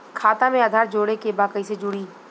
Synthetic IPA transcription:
kʰaːt̪ãmẽɐd̪ʱaːɾd͡ʒoːɽekebaːkəised͡ʒʊɽiː

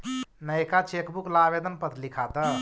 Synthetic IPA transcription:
nəjkat͡ʃekbuklabed̪ənpət̪likʰat̪ə

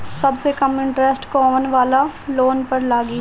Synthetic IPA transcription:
sɐbsekɐmɪ̃ɳʈɾɛsʈkɔːʋənʋaːlaloːnpəɾlaːɡiː

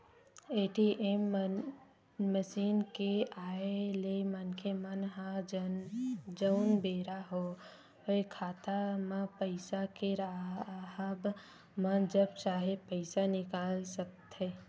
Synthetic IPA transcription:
eːʈiʔem | məʃiːnkeaːelemənkʰemənɦã | d͡ʒəʊnbeːɾaɦo | ɦeekʰaːt̪amãpəɪsakeɾaɦəb | mə̃d͡ʒəb̚t͡ʃaːɦepəɪsanɪkaːlsək̚t̪ɦɛː

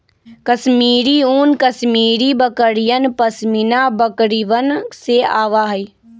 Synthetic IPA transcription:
kəsmiːɾiuːnkəsmiːɾibəkəɾijənpəsminabəkɾiʋənsea̰ːʋaɦəi

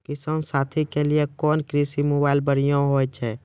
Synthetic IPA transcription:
kisənsat̪ʰikeliekɔːnkɾisimobailbəɽ̤ijõɦojt͡ʃʰɛ

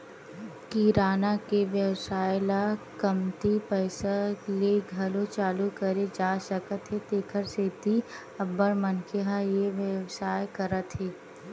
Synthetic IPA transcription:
kiɾaːnakeʋjəwsaːjlakɐmt̪ipɛːsaleɡʱɐlot͡ʃaːlukɐɾed͡ʒaːʃəkət̪ɦet̪eːkʰəɾseːt̪i | ɐbːəɽmɐnkʰeɦajeʋjəʋsaːjkɐɾət̪ɦeː

